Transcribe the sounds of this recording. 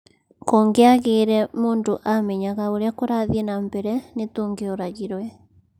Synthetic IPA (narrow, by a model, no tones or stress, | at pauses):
kɔːŋɡeaɣeːɾɛmoːndoʔamɛɲaɣaoɾeakoɾaðiɛnambɛɾɛnetoːŋɡeoɾaɣiɾwɛ